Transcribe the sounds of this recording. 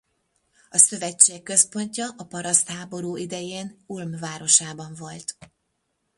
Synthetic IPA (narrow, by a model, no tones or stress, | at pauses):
ɒsø̞vɛt͡ʃːeːkːø̞spo̞ɲcɒʔɒpɒɾɒst̪haːbo̞ɾuːʔid̪ɛjeːnulmvaːɾo̞ʃaːbɒɱvo̞lt̪